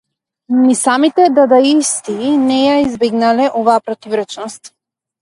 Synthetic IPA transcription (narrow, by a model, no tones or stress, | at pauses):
nisamit̪ɛd̪ad̪aist̪inɛjaizbɛɡnalɛʔɔvaːpɾɔt̪ivɾɛt͡ʃnɔst̪